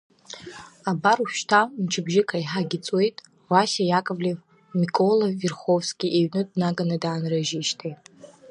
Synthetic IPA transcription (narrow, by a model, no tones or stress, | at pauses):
abaruʃtʰant͡ʃʰɪbʒɪkʼaiħaɡʲɪt͡sʼwe̞jtʼ | wasʲajakʼɨvlʲev | mikʼoloːerχo̞vskʲʼiʔeɥnɨdnaɡanɨdaːnraʒiʃtʰejtʼ